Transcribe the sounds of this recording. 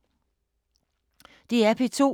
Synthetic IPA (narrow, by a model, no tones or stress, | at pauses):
d̥e̝æɐpʰet͡sʰo̝̰